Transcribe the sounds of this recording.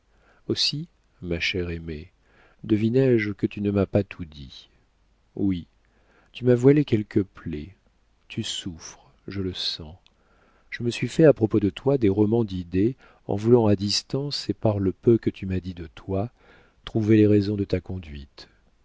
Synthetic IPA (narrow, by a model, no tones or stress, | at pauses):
osi | maʃɛʁeme | d̪əvinɛʒkət̪ynəmapat̪ʰud̪ḭ | wi | t̪ymavwalekʲɛlkəple | t̪ʰysufχ | ʒələsɑ̃ | ʒ̥əməsɥifɛapχɔpod̪ət̪wad̪eʁɔmɑ̃d̪id̪e | ɑ̰̃vulɑ̃ad̪ist̪ɑ̃sepaʁləpøkət̪ʰymad̪id̪ət̪wa | t̪χuveleʁɛzɔ̃d̪ət̪akɔ̃d̪ɥit̪